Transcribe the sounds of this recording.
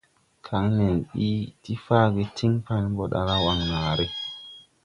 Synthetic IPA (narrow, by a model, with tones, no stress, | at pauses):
kʰa˨˦ŋne˨nɓi˦ti˦faː˦˨ɡe˨˧tʰi˦ŋpa˧n˦bo˨ɗa̰˨la˦wa˨ŋna˨ɾe˦